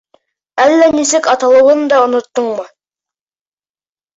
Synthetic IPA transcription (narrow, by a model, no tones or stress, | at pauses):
ælːænisɘkɑt̪ɑlˠɤ̆wɤnd̪ɑŏnŏt̪ːɤɴmɤ